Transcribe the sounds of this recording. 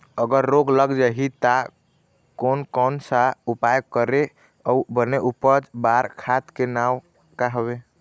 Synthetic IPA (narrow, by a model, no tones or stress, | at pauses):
əɡəɾːoɡləɡd͡ʒaɦit̪a | konkɔnsaupajkəɾe | ɔubəneʔupəd͡ʒbaɾkʰat̪kenaw | kaɦəbe